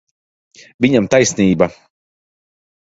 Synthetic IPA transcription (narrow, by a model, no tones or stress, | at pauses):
vʲiɲamt̪ajsniːba